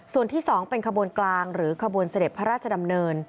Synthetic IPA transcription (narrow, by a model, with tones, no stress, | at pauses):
su˨˩ənt̪ʰiː˥˩sɔː˩˦ŋpe˧nkʰa˧bu˧ənklaː˧ŋɾɯː˩˦kʰa˧bu˧ənsa˧de˨˩pʰːa˦˥ɾaː˥˩t̪̚t͡ɕʰa˧da˧mnɤː˧n